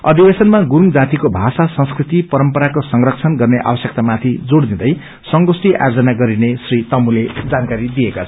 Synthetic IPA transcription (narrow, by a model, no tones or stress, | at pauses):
ʌd̪ʱibesʌnmaɡuɾumd͡zat̪ikobʱasasʌ̃ŋskrit̪ipʌɾʌmpʌɾakosʌŋrʌkt͡sʰʌnɡʌrneʔa̰bʌsjk̚t̪amat̪ʰid͡zoɽd̪id̪ʌj | sʌŋɡosʈiʔa̰jd͡zʌnaɡʌɾinesrit̪ʌmuled͡zankaɾid̪ijekat͡sʰʌ